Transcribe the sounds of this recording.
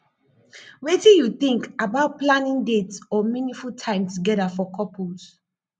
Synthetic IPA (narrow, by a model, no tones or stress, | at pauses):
wetijuθĩŋkabaʊt̚plãnĩŋdetsɔminĩfultʰãɪ̃mtuɡɛdafɔkʰɔpʰus